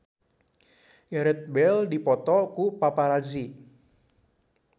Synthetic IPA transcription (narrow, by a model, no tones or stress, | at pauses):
jaɾɛt̪̚bɛldipɔt̪ɔkupapaɾad͡ʒi